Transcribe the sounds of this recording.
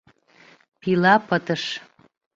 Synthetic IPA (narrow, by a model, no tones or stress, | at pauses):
pilɑpət̪əʃ